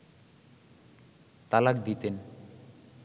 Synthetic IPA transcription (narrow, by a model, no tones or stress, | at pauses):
t̪alak̚d̪it̪en